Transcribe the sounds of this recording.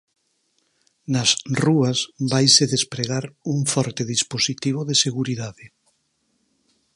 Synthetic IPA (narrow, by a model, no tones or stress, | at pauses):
nasruasbajseðespɾeɣaɾuŋfɔɾt̪eðisposit̪iβ̞oðeseɣuɾiðaðɪ